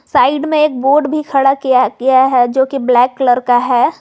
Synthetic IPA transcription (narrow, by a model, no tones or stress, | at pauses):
saːɪɖmẽeːk̚boːɖbʱikʰɐɽakijakijaɦɛd͡ʒoːkiblɛːkːləɾkaɦɛː